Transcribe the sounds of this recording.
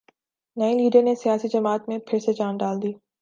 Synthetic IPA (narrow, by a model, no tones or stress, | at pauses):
nɐĩliːɖəɾnesijaːsid͡ʒɐmaːt̪mẽpʰɪɾset͡ʃaːnɖaːld̪iː